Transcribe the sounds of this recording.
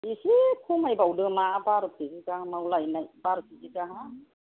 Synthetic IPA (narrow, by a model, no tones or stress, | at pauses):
isikʰumajbawdɯmabaɾɯp̚ʰezikahamawlajnajbaɾpʰizikaɦa